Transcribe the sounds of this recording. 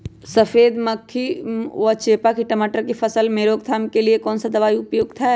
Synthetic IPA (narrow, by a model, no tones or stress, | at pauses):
sɐfeːd̪mɐkʰːiʋɔt͡ʃeːpakiʈəmaːʈəɾkifʰɐsəlmeːɾoːɡ̚t̪ʰaːmkeliekɔːnsad̪ɐʋaːiʊpjoːɡt̪ʰaɦɛ